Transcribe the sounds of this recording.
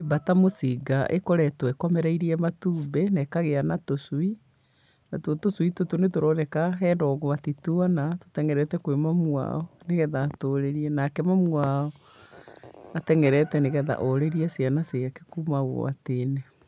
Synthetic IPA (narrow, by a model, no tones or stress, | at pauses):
ebatamosiɡaʔḛkɔɾɛtwɛkwamɛɾaiɾiɛmatuːmbɛnɛkaɣeanatoswi | natotoswitotonetoɾɔːnɛkaɦɛːndɔɣoatituanato̥tɛŋɛɾɛtɛkwemamwa̰ɔneɣɛðaːtoːɾeɾiɛnakɛmamwaɔ | atɛŋɛɾɛtɛneɣɛða̰ʔɔɾeɾiɛsjanaseake̥kumaɣo̰a̰tenɛ